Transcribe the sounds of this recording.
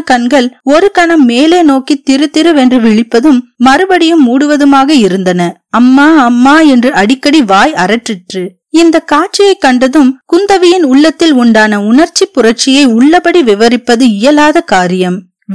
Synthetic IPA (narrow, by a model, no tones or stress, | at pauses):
kɐɳɡɐɭɔɾɯkɐɳɐmːeːleːnoːkit̪ːɪɾɯt̪ːɪɾɯʋɛndrɯʋɪɭɪpːɐðɯmːɐɾɯbɐɽɪjɯmːuːɽɯʋɐðɯmaːɣɐɪɾɯnd̪ɐnɐ | ɐmːaːɐmːaːɛndrɯɐɽɪkːɐɽiʋaːjɐɾɐʈrɪʈrɯ | ɪnd̪ɐkaːʈ̚t͡ʃɪjɐɪkːɐɳɖɐðɯmkʊnd̪ɐʋɪjɪnʊɭːɐt̪ːɪlʊɳɖaːnɐʊnɐɾt͡ʃːipːʊrɐɾt͡ʃɪjɐɪʊɭːɐbɐɽiʋɪʋɐɾɪpːɐðɯɪjɐlaːðɐkaːɾɪjɐm